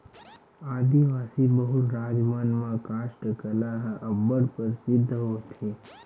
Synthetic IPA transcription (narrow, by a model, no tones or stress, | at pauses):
ad̪iʋasibəɦuɾad͡ʒmanmãkaʃʈəkəlaɦəbəɽpəɾsɪd̪ʱːəɦot͡ʃʰe